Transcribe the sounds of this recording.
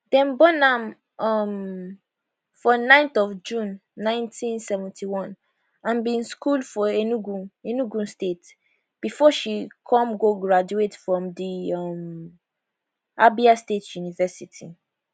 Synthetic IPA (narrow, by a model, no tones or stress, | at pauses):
dɛ̃nbɔnãm | ɔm | fɔnãɪ̃ntɔvd͡ʒũnːãɪ̃ntʰĩnsɛvɛ̃ntʰiwɔ̃n | ãnbĩnskuldfɔenuɡũenuɡũnstet | b̥ifɔʃikʰɔ̃mɡoɡɹad͡ʒuetfɹɔ̃mdiʌm | abiastetʰjunivɛsitʰi